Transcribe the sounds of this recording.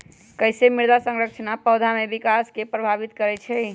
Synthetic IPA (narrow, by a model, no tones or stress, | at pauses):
kəjsemiɾd̪asə̃ŋɾək̚t͡ʃʰnapəwd̪ʱamebikaskepɾəbʱabit̪kəɾɛt͡ʃʰɛ